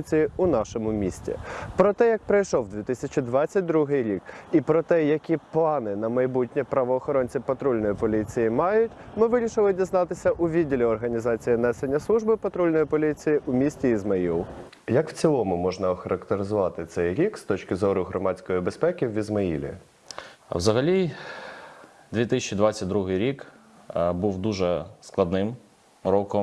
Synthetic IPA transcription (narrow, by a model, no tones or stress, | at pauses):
t͡sʲijiʊnɑʃɔmʊmʲisʲtʲḭpɾɔt̪ɛjɐk̚pɾɐjʃɔwd̪ʲʋʲit̪ɪsʲɐt͡ʃɪd̪ʋɑt͡sʲːɐt̚ʲd̪ɾuɦɪjɾʲikipɾɔt̪ɛjɐkʲiplˠɑnɪnɐmɐjbutʲnʲipɾɐʋɔːxɔɾɔnʲt͡sʲipɐt̪ɾulʲnɔjipɔlʲit͡sʲijɪmɑjʊtʲmɪʋɪɾʲiʃɪlˠɪdʲiznɑt̪ɪsʲɐʔʊʋʲidʲilʲiɔrɦɐnʲizɑt͡sʲijinɛsenʲːɐslˠuʒbɪpɐt̪ɾulʲnɔjipɔlʲit͡sʲijiʔʊmʲisʲtʲiːzmɐjḭlˠ | jɐkwt͡sʲilˠɔmʊmɔʒnɐɔxɐɾɐkt̪eɾɪzʊʋɑt̪ɪt̪sɛjɾʲikst̪ɔt͡ʃkɪzɔɾʊɦɾɔmɑt͡sʲkɔjibespɛkʲiwʋʲizmɐjḭlʲḭ | wzɐɦɐlʲi | d̪ʲʋʲit̪ɪsʲɛt͡ʃid̪ʋɑt͡sʲɐt̚ʲd̪ɾuɦɪjɾʲik | buwd̪uʒɛsklˠɐd̪nɪm | ɾɔkɔm